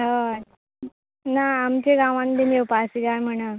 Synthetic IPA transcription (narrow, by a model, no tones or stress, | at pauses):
ɦa | naːmt͡ɕeɡãʋãnd̪enewpasiɡaɾm̤əɳ̃a